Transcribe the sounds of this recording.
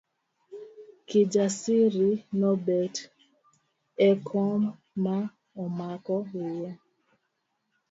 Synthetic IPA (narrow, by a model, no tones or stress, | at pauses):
kid͡ʒasiɾinɔbɛt | ɛkʰɔmː | a | ɔmakɔwuwo